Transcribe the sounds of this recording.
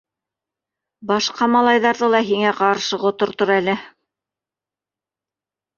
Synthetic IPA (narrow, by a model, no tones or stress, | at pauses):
bɑʃqɑmɑlˠɑjðɑɾðɤlˠɑɦiŋæqɑɾʃɤʁŏt̪ŏɾt̪oɾælɘ